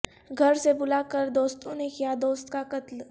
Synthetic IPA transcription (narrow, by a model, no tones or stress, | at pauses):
ɡʱəɾsebʊlakəɾd̪oːst̪õnekijad̪oːst̪kakət̪l